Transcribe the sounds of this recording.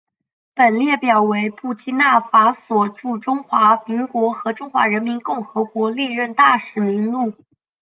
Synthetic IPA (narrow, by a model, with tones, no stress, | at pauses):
pə˨˩nljɛ˥˩pjɑ˨˩ʊwe˧˥ɪpu˥˩t͡ɕi˥na˥˩fa˧˥swɔ˨˩ʈ͡ʂu˥˩ʈ͡ʂʊ˥ŋxwa˧˥mi˧˥ŋkwɔ˧˥xɤ˧˥ʈ͡ʂʊ˥ŋxwa̰˧˥ɻə˧˥nmi˧˥nkʊ˥˩ŋxɤ˧˥kwɔ˧˥li˥˧ɻə˥˧nt̪a˥˩ʂɻ̩˨˧˩mi˧˥ŋlu˥˩